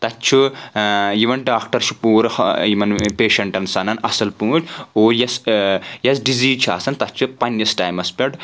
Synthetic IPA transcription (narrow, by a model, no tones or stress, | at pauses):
t̪ɐt͡ʃʰu | jiʋɐnɖaːk̚ʈɐɾʃupuːɾɐhjiʋɐnpeːʃɐɳʈɐnsɐnɐnɐsɐlpuːʈʲoːljɐsjɐsɖiziːt͡ʃʰa̰ːsɐnt̪ɐtt͡ʃʰupɐnjɐsʈaːjmɐspʲɐʈ